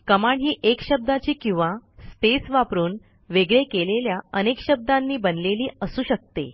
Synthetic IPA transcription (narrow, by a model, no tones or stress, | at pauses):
kəmaɳɦiːʔekɕəb̚d̪at͡ɕiːkĩw̃ʋaspesʋapɾuːn | ʋeɡɭekeleljaənekɕəb̚d̪anːiːbənleliːəsuːɕək̚t̪ḛ